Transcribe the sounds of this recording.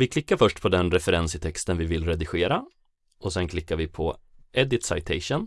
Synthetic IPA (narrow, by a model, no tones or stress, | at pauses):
vɪkʰlɪkːaɾfœʂʈpʰɔd̪ɛnɾɛfɛɾɛnsɪt̪ʰɛkst̪ənvɪvɪlɾɛd̪ɪɧeːɾa | ɔsɛnkʰlɪkːaɾvɪpʰɔ | ɛd̪ɪt̪sa̰ɪt̪ʰɛɪʂən